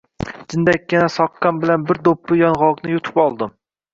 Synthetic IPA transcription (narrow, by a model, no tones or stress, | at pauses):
d͡ʒɪnd̪akʲjanasɒqːɑnbɪlanbɪɾd̪opʰːɪjɒnʁɑlˠqnɪjʊt̪ʰɪ̥pɒlˠd̪ɪm